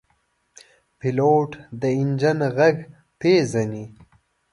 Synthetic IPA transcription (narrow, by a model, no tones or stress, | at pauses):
piloːʈd̪əɪnd͡ʒənɣaɡ | peːzani